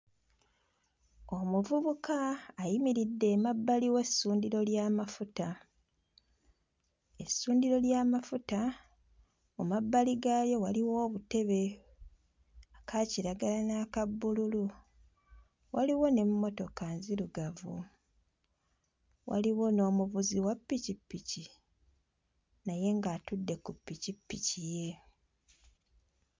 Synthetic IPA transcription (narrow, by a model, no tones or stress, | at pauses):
o̞muvuβukaːjimiɾidːe̞ːmabːaliwe̞sːuːndiɾo̞ljaːmafuta | esuːndiɾo̞ljaːmafuta | mumabːaliɡaːjo̞waliwo̞ːβute̞βe̞ | akʰaciɾaɡalanakabːululu | wʔaliwo̞ne̞mːo̞to̞kanziluɡavṵ | wa̰liwo̞no̞ːmuβuziwapːicipːici | naje̞ŋɡaːtudːe̞kupːicipːicije̞